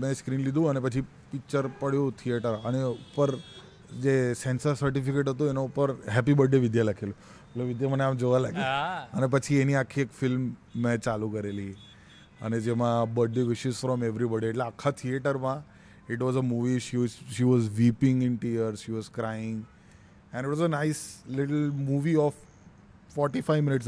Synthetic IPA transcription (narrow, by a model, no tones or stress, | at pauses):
meskɾiːnlid̪ũənepət͡ʃʰi | pik̚t͡ʃəɾpəɽjũt̪ʰieʈəɾəneupəɾ | d͡ʒesɛ̃nsəɾsəɾʈifikeʈɦət̪ũenaupəɾɦɛpibəɖːeʋɪd̪jalakʰelũ | eʈleʋɪd̪jaməneamd͡ʒoʋalaɡeənep̬ət͡ʃʰieniakʰːiekfɪlmːẽt͡ʃalũkəɾeli | ə̰ned͡ʒemãbəɖːeʋɪʃɪzfɾɔmeʋɾibɔɖieʈleakʰat̪ʰieʈəɾmã | ɪʈʋɔzəmuʋiʃiʃiʋɔzʋipɪ̃ŋɡɪnʈiəɾʃiʋɔzkɾajɪ̃ŋɡ | ɛ̃nɪʈʋɔzənaɪslɪʈlmuʋiɔf | fɔɾʈifaɪʋmɪnɪʈs